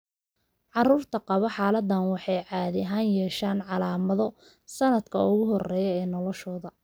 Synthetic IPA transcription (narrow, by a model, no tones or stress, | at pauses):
ʕɑruːrt̪ʰɐqɑβɐħɑːlɐd̪ɐnwɑħɑjʕɑːðɪɦaːnjɛːʃaːnʕɑlaːmɐðɔ | sɐnɐd̪kʰɐʊɣʊɦɔrɛːjɛɛːnɔlɔʃɔːðɐ